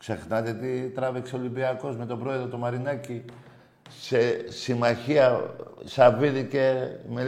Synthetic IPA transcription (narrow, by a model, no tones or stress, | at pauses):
kse̞xnɐt̪et̪it̪ɾɐvikseo̞limbiɐko̞zme̞t̪o̞bɾo̞e̞ðɾot̪omɐɾinɐci | sesimɐçiɐsɐviðice̞me